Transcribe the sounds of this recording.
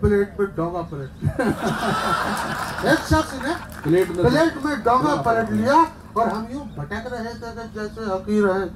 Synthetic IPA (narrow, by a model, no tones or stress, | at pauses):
pɪleːʈ̚mẽɖɔːmapɪleʈ | eːksabsine | pleːʈmẽpɪleːʈmẽɖɔːŋapəleʈlija | ɔːɾɦɐmjũbʱɐʈɛːkɾɐɦet̪ʰekəd͡ʒɛːseɦɐkiɾəɦẽː